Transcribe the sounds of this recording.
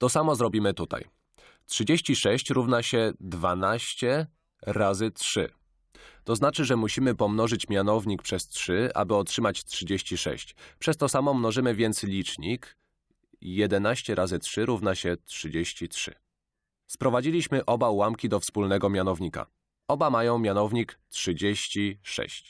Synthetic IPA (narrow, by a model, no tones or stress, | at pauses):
t̪ɔsamɔzɾɔbʲimɘt̪ut̪a̰j | tʂɘd͡ʑeɕt͡ɕiʂɛɕt͡ɕɾuvnaɕɛd̪vanaɕt͡ɕɛ | ɾazɘtʂɘ̰ | t̪ɔznat͡ʂɘʐɛmuɕimɘpɔmnɔʐɘt͡ɕmʲjanɔvɲik̚pʂɛstʂɘa̰bɘɔtʂɘmat͡ɕtʂɘd͡ʑeɕt͡ɕiʂɛ̰ɕt͡ɕpʂɛst̪ɔsamɔmnɔʐɘmɘvʲjɛnt̪slʲit͡ʂɲik | jɛd̪ɛnaɕt͡ɕɛɾʔazɘtʂɘɾuvnaɕɛtʂɘd͡ʑeɕt͡ɕitʂɘ̰ | spɾɔvad͡ʑilʲiɕmɘʔɔbawamkʲid̪ɔfspulnɛɡɔmʲjanɔvɲika̰ | ɔbamajɔ̃w̃mʲjanɔvɲiktʂɘd͡ʑeɕt͡ɕiʂɛ̰ɕt͡ɕ